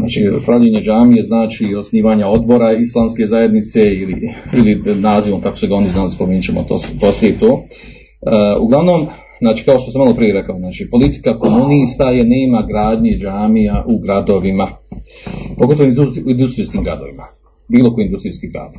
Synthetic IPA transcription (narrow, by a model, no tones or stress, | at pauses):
za̰ːt͡ʃḭpɾaʋʎeɲed͡ʒaːmijeznaːt͡ʃio̞sniːʋaːɲao̞d̪bo̞ɾaislˠaːmske̞zaje̞d̪nit̪se̞iliilinaːziʋo̞mkakoseɡao̞niznaːlispomeɲt͡ʃemo̰t̪o̰poslijet̪oː | ṵɡlˠaʋno̞m | znaːt͡ʃiːkao̞ʃt̪o̞samalo̞pɾije̞ɾe̞kaoznaːt͡ʃipo̞lit̪i̥kako̞muniːst̪aje̞ne̞ːmaɡɾaːd̪ɲed͡ʒaːmijaʔuɡɾad̪o̞ʋima | poɡo̞t̪oʋoiuind̪ust̪ɾiːskiːmɡɾa̰d̪o̞̰ʋima | biːlˠo̞kojind̪ust̪ɾiːskiːɡɾa̰ːd̪